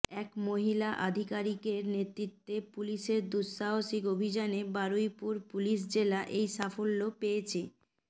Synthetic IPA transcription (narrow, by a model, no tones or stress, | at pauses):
ɛkmoɦilaʔa̰d̪ʱikaɾikeɾnet̪ɾit̪ːepuliʃeɾd̪usːaɦoʃikobʱid͡ʑanebaɾojpuɾpuliʃ̬d͡ʑelaʔejʃafolːopeet͡ɕʰe